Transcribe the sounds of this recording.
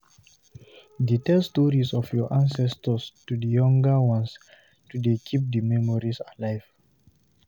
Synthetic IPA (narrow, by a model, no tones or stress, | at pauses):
ditɛlstɔɹisɔfjɔʔãnsɛstəstudəjɔ̃ŋɡəwɔ̃ns | tudekʰip̚dəmɛmɔɹisalaɪv̥